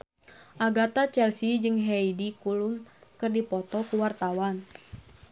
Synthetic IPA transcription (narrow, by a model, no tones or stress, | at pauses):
ʔaɡat̪at͡ʃɛlsid͡ʒɨŋɦɛidikulumkɨrdipɔt̪ɔkuwart̪awan